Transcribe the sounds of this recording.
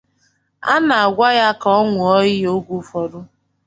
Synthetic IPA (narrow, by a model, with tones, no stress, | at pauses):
a̰˦na˨a˨ɡʷa˦ja˦kɔ˦ŋʷʊ˨ɔ˦ɪ˦o˦ɡʷu˦fɔ˨ɾʊ˦